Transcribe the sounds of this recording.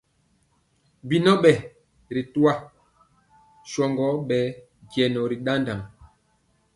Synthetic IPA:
bi˨nɔ˦ɓɛ˨ | ɾi˨tu˦a˦ | ʃɔ˨ŋɡɔ˨˦ɓɛ˨˦ | ɡjɛ˨nɔ˨ɾi˨ɗa˦nda˨m

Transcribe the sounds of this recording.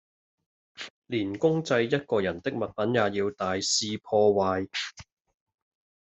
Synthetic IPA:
liː˨˩nkʊ˥ŋt͡sɐ˧jːɐ˥t̚kɔː˧jɐ˨˩nt̪ɪ˥k̚mɐ˨t̚pɐ˨˥njaː˨jiː˧wt̪aː˨jsiː˧pʰɔː˧waː˨˧j

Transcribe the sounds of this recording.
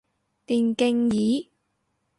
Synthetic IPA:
t̪iː˨˩nkɪ˧ŋjiː˨˥

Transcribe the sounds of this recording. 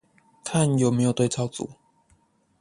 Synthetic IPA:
kʰa˥˨njo˨˩me˧˥jo˨˩ʊt̪we˥˧ɪt͡sʰa˥˩ʊt͡sṵ˨˦

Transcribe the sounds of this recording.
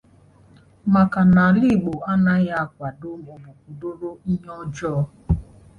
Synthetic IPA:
ma˨ka˨na˨li˦˨ɡ͡bo˨a˦na˦ja˦˨kʷa˨do˦mo˨bu˨ku˨do˦ɾo˦i˦ɲɔ˦d͡ʒɔ˦

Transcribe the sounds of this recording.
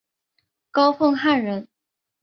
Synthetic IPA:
kɑ˥ʊfɤ˥˧ŋxa˥˩nɻə˧˥n

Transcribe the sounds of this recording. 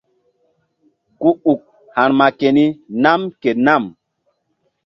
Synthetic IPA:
ku˦u˨k̚ | ha˨ɾma˨ke˨ni˦na˦mke˨na˦˨m

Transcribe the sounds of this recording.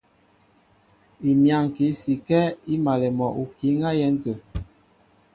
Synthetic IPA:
i˨mja˦˨ŋ˨ki˨˦si˨kɛ˦i˦ma˨lɛ˨mɔ˨ʔu˨ki˨˦ŋa˦jɛ˦n̩˦tə˨

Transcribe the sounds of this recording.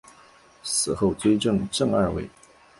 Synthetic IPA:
sɹ̩˨˩xo˥˩ʊt͡s̪ʰwe˥ɪʈ͡ʂɤ˥˩ŋʈ͡ʂɤ˥˧ŋa˥˧wḛ˥˩ɪ

